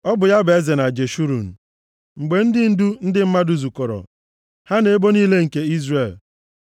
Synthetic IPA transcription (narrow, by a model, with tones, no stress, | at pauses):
ɔ˦bʊ˨ja˦be˦ze˨na˨d͡ʒe˨ʃu˦ɾṵ˨n̩˨ | ŋ͡m̩˨ɡ͡be˨n̩˦dɪ˦n̩˦du˦n̩˦dɪ˦m̩˦ma˦du˨zu˨kɔ˨ɾɔ̰˨ | ha˦ne˨e˦bo˦niː˦le˦ŋ̩˨ke˦i˦zre˨l